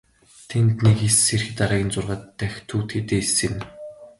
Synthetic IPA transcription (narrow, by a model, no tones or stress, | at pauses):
t̪ʰent̪nikesːerxɘ̆t̪aɾaːɣʲɪ̆nt͡sʊrʁaːt̪ːæxʲt̪ʰuːt̪xet̪eːsɘ̆n